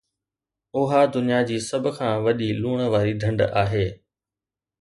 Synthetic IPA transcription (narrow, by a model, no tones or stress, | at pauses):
ʊɦad̪ʊnijad͡ʑiːsɐb̆ʱkʰãːʋɐɗiluːɽ̃ʋaːɾiɖʱɐ̃ɳɖaːɦeː